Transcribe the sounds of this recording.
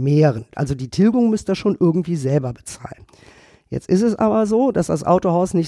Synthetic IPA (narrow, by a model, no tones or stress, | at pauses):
meːʁ̞ənʔa̰lzodiːtʰɪlɡʊŋmʏstd̥asʃoːnʔɪɐɡŋ̩tv̥iːzɛlbɐbət͡sa̰ːlən | jɛ̰t͡stɪstɛsʔa̰ːbɐzoːdasd̥asʔa̰ʊtoɦaʊsnɪç